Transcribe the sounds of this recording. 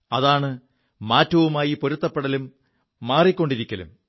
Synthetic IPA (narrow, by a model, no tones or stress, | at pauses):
ɐðaːɳɨ | maːtːɐʋumaːjipo̞ɾut̪ːɐpːeɽɐlumː | aːrikʲːo̞ɳɖiɾikʲːɐlṵm